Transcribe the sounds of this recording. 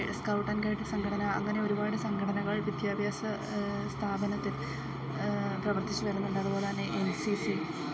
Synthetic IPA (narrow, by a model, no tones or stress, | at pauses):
skɐwʈːɐnkaːjiʈːɨsɐŋɡʰʱɐʈɐnɐɐ̰ŋːɐne̞oɾubaːɽɨsɐŋɡʱɐʈʰɐnɐɣɐɭʋjid̪jaːbʱjaːsɐ | st̪ʰaːbɐnɐt̪ːil | prɐʋɐrt̪ʰit͡ɕːuʋɐɾunːuɳɖaːðpoːlaːnɨʔensisi